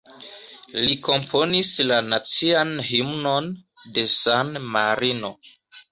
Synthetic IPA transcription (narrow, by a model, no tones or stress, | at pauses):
liko̞mpʰo̞nislanat͡sianhimno̞n | de̞sanmaɾino̞